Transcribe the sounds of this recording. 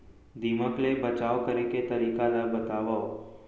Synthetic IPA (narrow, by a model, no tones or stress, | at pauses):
d̪iməklebət͡ʃaʋkəɾeket̪əɾikalabət̪aʋao